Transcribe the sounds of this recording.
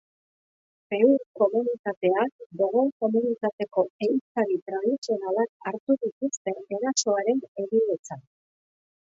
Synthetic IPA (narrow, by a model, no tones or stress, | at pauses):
pe̞uɾko̞munit̪at̪e̞ak̚d̪oɣoko̞munit̪at̪e̞ko̞ejt͡saɾit̪ɾaðisio̞nalakaɾt̪uðit̪ust̪e̞ːɾaso̞aɾe̞ne̞ɣile̞t͡sa